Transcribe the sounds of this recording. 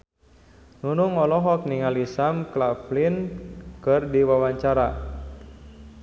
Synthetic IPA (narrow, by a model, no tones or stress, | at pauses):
nunuŋɔlɔɦɔk̚niŋalisamklaplinkɨrdiwawaɲt͡ʃaɾa